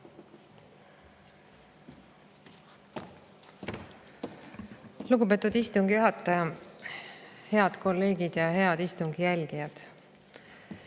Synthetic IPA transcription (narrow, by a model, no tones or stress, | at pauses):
luɡupe̞ːt̪ːˑud̪ist̪uŋɡ̥ijuɦɑt̪ˑːɑjɑ | he̞ɑd̪̥ko̞lːe̞ːɡid̪̥jɑhe̞ɑd̪̥ist̪uŋɡ̥ijælʲɡ̥ijɑd̪̥